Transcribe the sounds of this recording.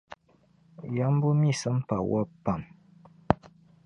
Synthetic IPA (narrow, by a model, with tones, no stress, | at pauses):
ja˦m˦bu˦mi˦˨sə˦mpa˨wʔa˦pa˨m